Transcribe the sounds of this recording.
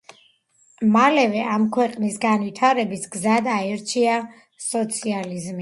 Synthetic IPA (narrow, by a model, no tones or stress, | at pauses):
malɛvɛʔamkʰwɛqʼnisɡanvit̪ʰaɾɛbisɡzad̪aɛɾt͡ʃʰia | sɔt̪sʰializmi